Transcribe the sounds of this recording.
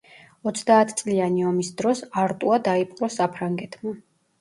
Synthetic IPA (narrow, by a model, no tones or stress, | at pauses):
ɔt̪sʰd̪aːt̪ʰt̪sʼlianiɔmisd̪ɾɔsaɾt̪ʼuad̪aipʼqʼɾɔsapʰɾaŋɡɛt̪ʰma